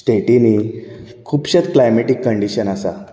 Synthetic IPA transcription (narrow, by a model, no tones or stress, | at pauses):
sʈeʈini | kʰuːpɕət̪klajmeʈikːəɳɖiɕənasa̰